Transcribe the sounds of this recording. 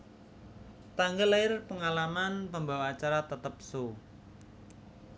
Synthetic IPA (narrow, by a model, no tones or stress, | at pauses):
t̪aŋɡəlaɪrpəŋalamanpəmbawaːt͡ʃaɾat̪ət̪əp̚so